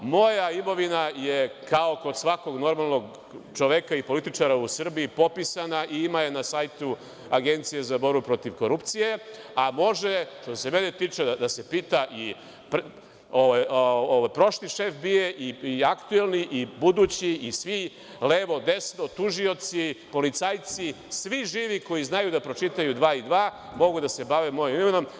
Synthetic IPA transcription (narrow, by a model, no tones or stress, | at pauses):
mo̞jaimo̞ʋinajekao̞kod̪sʋako̞ɡno̞ɾmalˠno̞ɡ | t͡ʃo̞ʋekaipo̞lit̪it͡ʂaɾausr̩biipo̞pisanaʔiimaje̞nasajt̪u | aɡe̞nt̪sije̞zabo̞ɾbupɾo̞t̪iʋko̞ɾupt̪sije̞ | amo̞ʒeʃt̪ose̞menet̪iːt͡ʂed̪ase̞piːt̪aʔi | pɾ | oʋajooʋajpɾo̞ʃliʃefbieʔiiakt̪uelˠniʔibud̪ut͡ɕiːsʋi | leʋo̞d̪esnot̪uʒio̞t̪sipo̞lit̪saːjt̪si | sʋiʒiːʋiko̞jiznajud̪apɾo̞t͡ʂit̪ajud̪ʋaːid̪ʋaːmo̞ɡud̪ase̞baʋemo̞jimimeno̞m